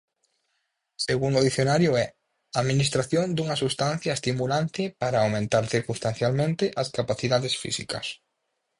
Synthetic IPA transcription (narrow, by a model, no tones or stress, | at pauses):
seɣuŋd̪oðiθjonaɾjʊɛ | aðminist̪ɾaθjond̪uŋɐsust̪ãnθjaest̪imulant̪ɪpaɾaːwmẽnt̪aɾθiɾkũnst̪anθjalmẽnt̪ɪʔɐskapaθiðaðesfḭsikɐ̰s